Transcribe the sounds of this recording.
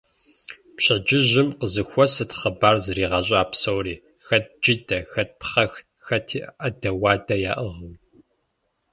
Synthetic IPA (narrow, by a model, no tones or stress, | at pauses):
pɕɐd͡ʒɪʑɪmqəzɨxʷɔsɨtχɐbaːrzɨɾiːʁɐɕʼaːpsowriː | xɐt̚d͡ʒidɐxɐt̚pχɐx | xɐtʰiːʔʔɐdɐwɑːdɐja̰ːʔəʁəm